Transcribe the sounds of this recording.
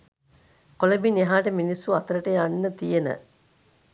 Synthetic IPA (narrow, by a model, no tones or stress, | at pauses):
kolebineɦaːʈəminisːuat̪əɾəʈəjanːət̪ijenə̰